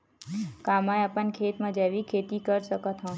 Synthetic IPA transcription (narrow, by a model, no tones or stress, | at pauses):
kamajapənkʰeːt̪mãd͡ʒaʋikʰet̪ikəɾʃəkət̪ɦɔ̃